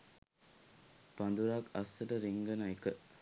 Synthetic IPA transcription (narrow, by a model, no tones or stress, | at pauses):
pɐnd̪uɾaːkɐsːəʈəɾiŋɡənajkə